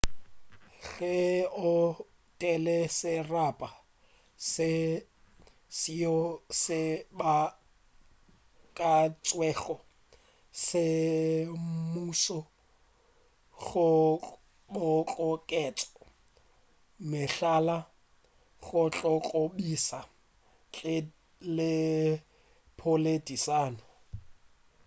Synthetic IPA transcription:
ɣɛʊ | tʼɛlɛsɪrapʼa | sɪ | siɔsɪba | kʼat͡sʼwɛːɣɔ | sɪ | muːsɔ | ɣʊ | bʊt͡ɬʼɔkʼɛt͡sʼɔ̥ | mɪɬala | ɣʊt͡ɬʼɔkʼobisa | t͡ɬʼɪ | lɪ | pʰʊledisaːnʊ

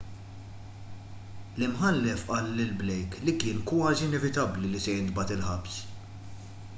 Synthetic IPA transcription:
lɪmħɐlːɛfʔɐlːɪlblɛjklikɪːnkwɐːziɪnɛvɪt̪ɐblilisɛjɪnd̪bɐt̪ɪlħɐps

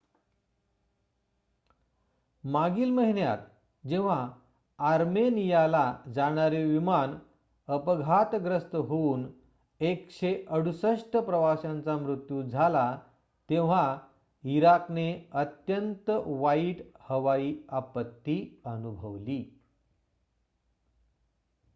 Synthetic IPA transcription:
maɡiːlməɦiɳja̰t̪ | d͡ʑeʋ̤aː | ɾmenijalad͡zaɽ̃aɾeʋiman | əpəɡʱat̪ɡɾəst̪əɦoːn | ekɕeʔəɽusəʂʈəpɾəʋaɕãnt͡samɾut̪jud͡zʱala | t̪ẽʋ̤a | iɾakneət̪jənt̪əʋaiːʈhəʋaiːapət̪ːiənubʱəʋliː

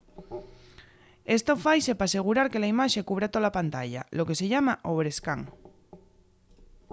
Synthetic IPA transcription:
e̞st̪ofajsepase̞ɣ̞uɾaɾkelaimaʃekuβ̞ɾat̪olapant̪aʎa̰lo̞ke̞se̞ʎamaʔoβ̞ɾeska̰ŋ

